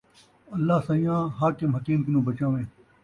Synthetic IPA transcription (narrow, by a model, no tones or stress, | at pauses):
ɐlːaːsãːijãːɦaːkɪmɦɐkiːmkinũːbɐt͡ɕãːʋẽː